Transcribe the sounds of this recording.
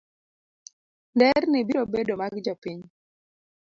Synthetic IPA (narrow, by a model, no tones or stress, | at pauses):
ndɛɾnɪbiɾobedomaɡd͡ʒɔpiɲ